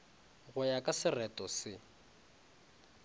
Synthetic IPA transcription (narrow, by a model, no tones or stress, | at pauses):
ɣʊjakʼasɪrɛtʼɔsɪ